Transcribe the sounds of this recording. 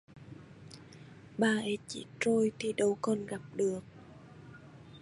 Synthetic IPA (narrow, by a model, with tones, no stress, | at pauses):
ɓaː˧ʔə˨˦t͡ɕḭ˧˩˥t͡ɕo˧jt̪ʰi˨˩ɗə˧wkɔ˨˩nɣa˨˩p̚ɗɨ˨˩ək̚